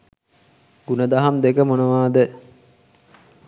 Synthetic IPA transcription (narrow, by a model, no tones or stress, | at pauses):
ɡ̥unəd̪aɦamd̪ekəmonəʋaːd̪ə